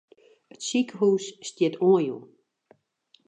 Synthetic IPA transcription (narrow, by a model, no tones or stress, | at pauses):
ətsikəhuːsːtjɪtʰoəjṵ